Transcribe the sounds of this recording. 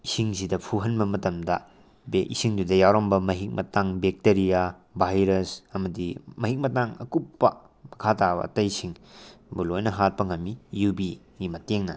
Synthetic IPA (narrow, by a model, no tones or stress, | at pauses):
isiŋsidɐpʰuɦɐnbɐmɐtɐmdɐ̰ | beisiŋdudɐjawɾombɐmɐɦik̚mɐtaŋbek̚teɾija | bʱajɾɐsɐmɐdimɐɦik̚mɐtaŋɐ̰kupːɐ̰ | mɐkʰatabɐ̰ɐ̰tɐjsiŋbulojnɐɦat̚pɐŋɐmijubiŋimɐteŋnɐ